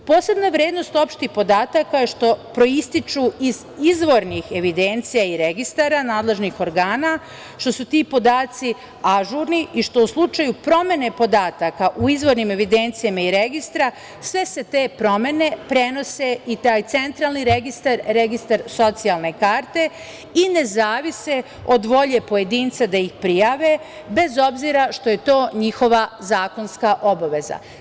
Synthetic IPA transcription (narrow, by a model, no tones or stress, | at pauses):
po̞ːse̞bnaʋɾeːd̪no̞st̪o̞pʃt̪ipo̞d̪aːt̪akaʃt̪o̞pɾo̞ist̪it͡ʃuiz | izʋo̞ɾnixe̞ʋid̪ent̪sijaiɾeɡist̪aɾanaːd̪leʒnixo̞ɾɡaːna | ʃt̪o̞sut̪iːpo̞d̪aːt̪si | aʒuɾniiʃt̪o̞uslˠut͡ʃajupɾo̞me̞ne̞po̞d̪aːt̪akaʔuizʋo̞ɾnime̞ʋid̪e̞nt̪sijamaiɾeɡist̪ɾa | sʋe̞se̞t̪e̞ːpɾo̞me̞ne̞pɾe̞no̞seit̪aːjt̪se̞nt̪ɾaːlˠniɾeɡist̪aɾɾeɡist̪aɾso̞t̪sijalˠne̞kaːɾt̪e̞ | ine̞zaːʋise̞ | o̞d̪ʋo̞ʎe̞po̞je̞d̪iːnt̪sad̪aixpɾijaʋe̞ | be̞zo̞bziɾaʃt̪o̞je̞t̪o̞ːɲixo̞ʋazaːko̞nskaʔo̞baʋe̞za̰